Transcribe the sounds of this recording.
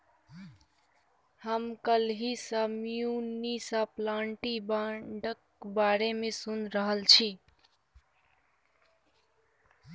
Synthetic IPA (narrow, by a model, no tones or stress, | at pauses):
həmkəlɦisəmjunisəplaɳʈibaɖək | baɾemesunɾəɦəlt͡ʃʰi